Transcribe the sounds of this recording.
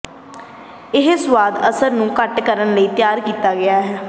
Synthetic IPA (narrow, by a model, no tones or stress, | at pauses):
ɪɦsʋaːd̪əsəɾnũːkəʈkəɾənləiːt̪jaːɾkiːt̪aːɡɪaːɦɛː